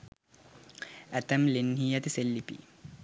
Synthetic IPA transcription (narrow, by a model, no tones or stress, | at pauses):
æt̪ɐmlenɦiːjɐt̪iselːipḭ